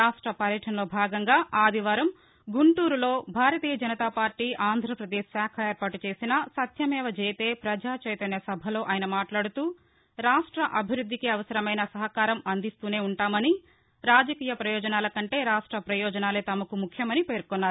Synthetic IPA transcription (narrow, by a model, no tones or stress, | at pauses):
ɾaːʂʈɾɐpɐɾjɐʈʰɐnɐlo̞ːbʱaːɡɐŋɡaːʔaːd̪iʋaːɾɐm | ɡuɳʈuːɾulo̞ːbʱaːɾɐt̪iːjɐd͡ʒɐnɐt̪aːpaːɾʈːiːʔaːnd̪ʱɾɐpɾɐd̪eːʃsaːkʰɐeːɾpaːʈut͡ʃe̞ːsinɐsɐt̪jɐmɛːʋɐt͡ʃeːjt̪e̞ːpɾɐd͡ʒaːt͡ʃeːjt̪ɐnjɐsɐbʱɐlo̞ːʔaːjɐnɐmaːʈlaːɽut̪uː | ɾaːʂʈɾɐʔɐbʱiɾud̪ʱːikiɐʋɐsɐɾɐmɐjnɐsɐɦɐkaːɾɐmɐnd̪ist̪uːne̞ːuɳʈaːmɐni | ɾaːd͡ʒɐkiːjɐpɾɐjɔːd͡ʒɐnaːlɐkɐɳʈe̞ːɾaːʂʈɾɐpɾɐjɔːd͡ʒɐnaːleːt̪ɐmɐkumukʰjɐmɐnipe̞ːɾkɔnːaːɾu